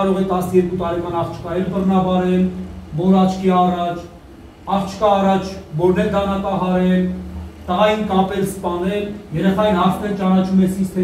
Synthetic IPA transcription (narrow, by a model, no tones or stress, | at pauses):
ɑɾɔʁɛt̪ɑsnəjɛɾkut̪ɑɾɛkɑnɑχt͡ʃʰkɑjɛɾbərnɑbɑɾɛlbɔlɑt͡ʃʰkʰiɑrɑt͡ʃʰ | ɑχt͡ʃʰkɑːrɑt͡ʃʰbɔɾnɛɾd̪ɑnɑt̪ɑɦɑɾɛlt̪əʁɑjinkɑpɛɾspɑnɛljɛɾɛχɑjinɦɑɾt̪ʰmɛɾt͡ʃɑnɑt͡ʃʰumɛsist̪ʰɛ